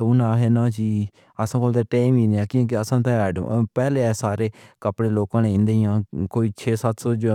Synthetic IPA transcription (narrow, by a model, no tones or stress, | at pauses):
ʊnãːɦeːnãːd͡ʒiː | əsãːkoːlt̪eːʈeːimĩːneãːkĩk̬ɪəsãːt̪ãːɛːɖə̰̃pɛːleːɛːsaːɾeːkəpɽeːloːkãːnẽːɪ̃nd̪eːjãːkoːiːt͡ʃʰeːsat̪ʰsoːd͡ʒ